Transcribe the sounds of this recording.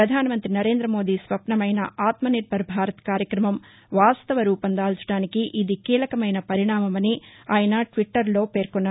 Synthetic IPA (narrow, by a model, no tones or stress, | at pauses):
ɾɐd̪ʱaːnɐmɐnt̪ɾinɐɾe̞ːnd̪ɾɐmo̞ːd̪iːsʋɐpnɐmɐjnɐ̰aːt̪mɐniʈ̚bɐɾbʱaːɾɐt̪ɐ̥kaːɾjɐkɾɐmɐm | ʋaːst̪ɐʋɐɾuːpɐnd̪aːlt͡ʃu̥ɽaːnikiʔid̪ikiːlɐkɐmɐjnɐpɐɾiɳaːmɐmɐniaːjɐnɐʈʋiʈːɐɾlo̞ːpe̞ːɾkɔnːaː